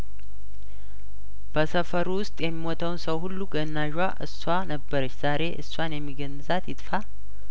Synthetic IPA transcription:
b̥əsəfəɾuwʊst̪ʼjɛmːimot̪ʰəwnsəwhulːuɡənːaʒwaʔɨswanəbːəɾət͡ʃːz̥aɾe̞ʔɨsːwanjɛmːiɡənːɨzat̪jɪt̪ʼfa

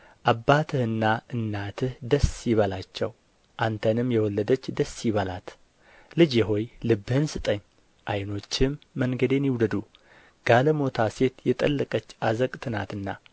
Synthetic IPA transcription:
ʔabːat̪ʰɨhɨnːaɨnːat̪ʰɨhd̪əsiβəlat͡ʃːɛ̰w | ʔant̪ʰənɨmjɛwɔlːəd̪ət͡ʃːd̪əsjiβəla̰t̪ | lɨd͡ʒjɛɦo̞jlɨbːhɨnsɨt̪ʼəɲː | ʔajno̞t͡ʃːɪmːəŋɡəd̪e̞njɪwd̪əd̪u | ɡ̥aləmo̞t̪ʰase̞t̪jɛt̪ʼə̰lːɨkʼət͡ʃːazəkʼt̪ʰɨnat̪ɨnːa

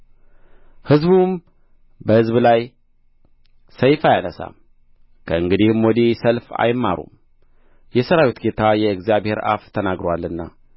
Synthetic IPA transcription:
hɨzbum | bəhɨzblaj | səjfajanəsa̰ | kʰəɨŋɡɨd̪ihmwɔd̪isəlfa̰jmːa̰ɾṵm | jɛsəɾawit̪ɡet̪ʰajɛɨɡzijaβhe̞ɾa̰ft̪ʰənaɡɾowalːɨnːa

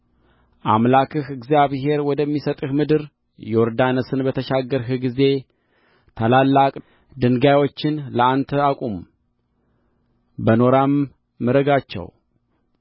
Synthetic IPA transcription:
ʔamlakʰɨhɨɡzijaβɦe̞ɾwɔd̪əmːisət̪ʼɨhmɨd̪ɨɾ | joɾd̪anəsɨnbət̪ʰəʃaɡːəɾɦɨɡize̞ | t̪ʰalalːakʼ | d̪ɨŋɡajwo̞t͡ʃːɪnləant̪ʰəakʼum | bəno̞ɾamː | ɨɾəɡat͡ʃːɛ̰w

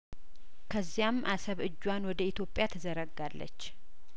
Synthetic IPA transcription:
kʰəzːijamʔasəβɨd͡ʒːwanwɔd̪əit̪ʰjo̞pʼːjat̪ʰəzəɾəɡːalːə̰t͡ʃː

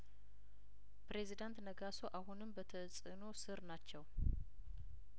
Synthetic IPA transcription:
pɾe̞zid̪ant̪nəɡaso̞ʔaɦunɨmbət̪ʰəsʼɨno̞sɨɾnat͡ʃːɛw

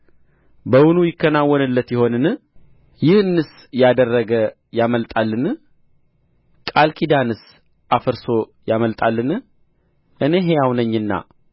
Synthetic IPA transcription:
bəwʊnujɪkːənawːɔnɨlːət̪jɪho̞nɨnɨ | jɪhɨnːɨs | jad̪ərːəɡə | jaməlt̪ʼalːɨn | kʼalkʰid̪anɨs | ʔafəɾso̞jaməlt̪ʼalːɨn | ʔɨne̞ɦe̞jawnəɲːɨnːa̰

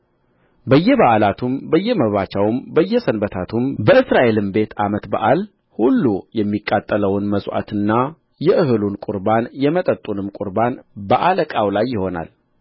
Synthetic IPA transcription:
bəjːɛβaʔlat̪ʰumbəjːɛməβat͡ʃawɨmbəjːɛsənbət̪ʰat̪ʰumbəɨsɾaʔe̞lɨmbe̞t̪ʰamət̪ba̰ʔal | hulːujɛmːikʼːat̪ʼːələwɨnməsʼwʔa̰t̪ʰɨnːa | jɛʔɨɦɨlunkʼʊɾbanjɛmət̪ʼət̪ʼːunɨmkʷʼʊɾbanbəʔaləkʼawlajːɪho̞na̰l

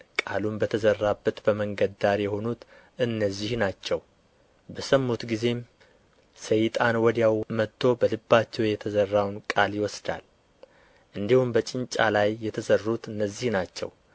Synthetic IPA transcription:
kʼa̰lumbət̪ʰəzərːabːət̪bəməŋɡəd̪aɾjɛho̞nut̪ | ʔɨnːəzːihnat͡ʃːɛw | bəsəmːut̪ɡize̞m | səjt̪ʼanwɔd̪jawmət̪ʰːo̞bəlɨbːat͡ʃːɛwjɛt̪ʰəzərːawnkʼaljɪwɔsd̪a̰l | ʔɨnd̪ihumbət͡ʃʼɪɲt͡ʃʼa̰lajːɛt̪ʰəzərːut̪ɨnːəzːihnat͡ʃːɛ̰w

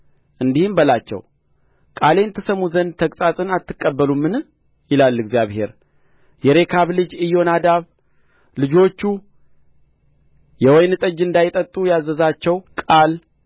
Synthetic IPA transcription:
ʔɨnd̪ihɨmbəlat͡ʃːɛ̰w | kʼale̞nt̪ʰəsəmuzənd̪t̪ʰəkʼsʼasʼɨnat̪ʰːɨkʼːəbːəlumːɨn | jɪlalːɪɡzijaβhe̞̰ɾ | jɛɾe̞kʰaβlɨd͡ʒɨjo̞nad̪aβ | lɨd͡ʒo̞t͡ʃːu | jɛwɔjnɨt̪ʼəd͡ʒːɨnd̪ajɪt̪ʼət̪ʼːujazːəzat͡ʃːɛwkʼal

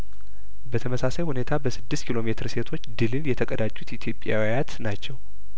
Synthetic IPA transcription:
bət̪ʰəməsasajhune̞t̪ʰabəsɨd̪ːɨst̪kʰilo̞me̞t̪ʰɨɾse̞t̪ʰo̞t͡ʃːd̪ɨlɨnjɛt̪ʰəkʼəd̪at͡ʃʼːut̪it̪ʰjo̞pʼːja̰wajat̪nat͡ʃːɛw

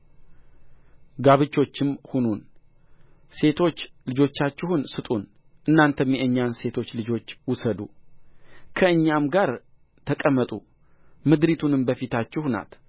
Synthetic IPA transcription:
ɡaβɨt͡ʃːo̞t͡ʃːɪmhunun | se̞t̪ʰo̞t͡ʃːlɨd͡ʒo̞t͡ʃːat͡ʃːɪhunsɨt̪ʼun | ʔɨnːant̪ʰəmːjeʔɨɲːanse̞t̪ʰo̞t͡ʃːlɨd͡ʒo̞t͡ʃːwʊsəd̪ṵ | kʰəɨɲːamɡaɾ | t̪ʰəkʼəmːət̪ʼu | mɨd̪ɾit̪ʰunɨmbəfit̪ʰat͡ʃːɪhna̰t̪

